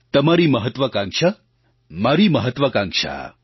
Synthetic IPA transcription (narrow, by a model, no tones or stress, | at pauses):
t̪ɐmaɾiːmɐɦət̪ʋɐkãŋkʂɐ | maɾiːmɐɦɐt̪ʋɐkãŋkʂa̰ː